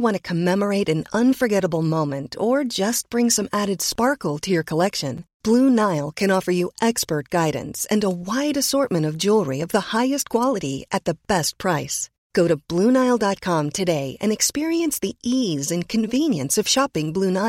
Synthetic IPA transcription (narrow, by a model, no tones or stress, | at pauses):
wɑ̃ñɨkʰɨmɛmə˞eɪɾɨ̃nʌ̃nfə˞ɡɛɾəbl̩ˠmõʊ̃mɨ̃ntʰə˞d͡ʒʌs̚b̥ɹɪ̃ŋsʌ̃mæɾɨd̥spɑɹkl̩ˠtʰɨjə˞kʰəlɛkʃɨ̃nb̥lunaɪlˠkʰɨ̃ñɔfə˞jɨʔɛkspə˞t̚ɡ̥aɪdⁿn̩sɨ̃nəwaɪɾɨsɔɹt̚mɨ̃ɾ̃ʌvd͡ʒulˠɹiʌvðəhaɪɨst̚kʰw̥ɑlˠəɾiʔɨt̪̚ðɨb̥ɛst̚pʰɹ̥aɪs | ɡ̥oʊɾɨb̥lunaɪlˠdɑt̚kʰɑ̃mtʰɨdeɪʔɨ̰̃nɨkspɪɹiɨ̃nsðiʔizɨ̃nkʰɨ̃ɱvĩnjɨ̰̃nsʌv̥ʃɑpɪ̃ŋblʉnaɪ